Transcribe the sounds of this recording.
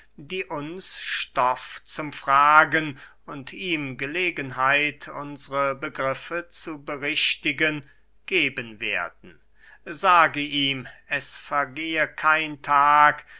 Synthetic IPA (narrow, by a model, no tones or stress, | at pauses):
diːʔʊnsʃtɔft͡sʊmfʁ̥aːɡən | ʊntiːmɡəleːɡənɦaɪtʰʊ̰nzəʁəbəɡʁɪfət͡subəʁɪʃtɪɡən | ɡ̥eːbənvḛːɐdn̩ | zaːɡəʔiːmɛsfɛɐɡeːəkʰaɪntʰaːk